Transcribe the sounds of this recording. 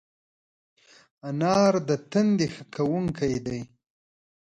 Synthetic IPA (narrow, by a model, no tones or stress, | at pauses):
anɑɾd̪ət̪ənd̪exəkʰawuŋkajd̪aj